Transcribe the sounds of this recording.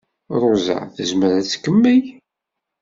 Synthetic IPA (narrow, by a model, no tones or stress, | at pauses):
ɾˤʊza̰θəzməɾæt͡sːkːəmːæj